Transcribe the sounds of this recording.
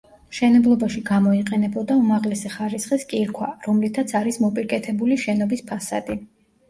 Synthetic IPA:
mʃɛnɛblˠɔbaʃiɡamɔiqʼɛnɛbɔd̪aumaʁlɛsɛχaɾisχiskʼiɾkʰwa̰ɾɔmlit̪ʰat̪sʰaɾismɔpʼiɾkʼɛt̪ʰɛbuliʃɛnɔbispʰasa̰d̪i

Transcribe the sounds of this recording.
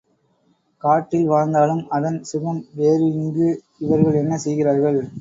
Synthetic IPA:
kaːʈːɪlʋaːɾnd̪aːlɯmɐðɐnsʊɣɐmʋeːɾɯɪŋɡɯ | ɪʋɐɾɣɐɭɛnːɐsɛjɣɪraːɾɣɐɭ

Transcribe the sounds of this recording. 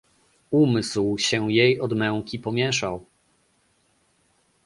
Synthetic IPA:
umɘswɕɛjejɔd̪mɛ̃ŋ̃kʲipɔmʲjɛʂaw

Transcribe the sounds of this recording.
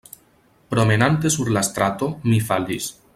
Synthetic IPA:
pɾomenant̪esuɾlast̪ɾat̪omifalḭs

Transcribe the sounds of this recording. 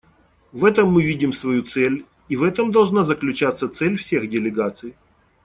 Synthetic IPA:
vɛt̪əmːɨvʲidʲɪmsvɐjut̪sɛlʲ | ivɛt̪əmd̪ɐlˠʐnazəklʲʉt͡ɕat̪sːət̪sɛlʲfsʲexdʲɪlʲɪɡat̪sɨj

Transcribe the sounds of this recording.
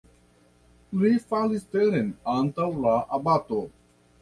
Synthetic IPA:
liːfaːlist̪eɾenaːnt̪ɐwlaːʔɐbaːt̪oː

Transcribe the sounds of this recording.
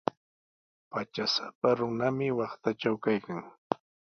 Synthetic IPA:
pat͡ʃasapaɾʊnamɪwɑχt̪at͡ʃawkajkaŋ

